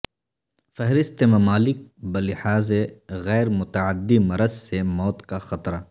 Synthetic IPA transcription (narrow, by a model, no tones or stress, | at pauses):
fɐɦɾɪst̪emɐmaːlɪk̚bɐlɪhaːzeɣɛːɾmʊt̪ɐʕad̪ːimɐɾəzsemɔːt̪kaxɐt̪ɾa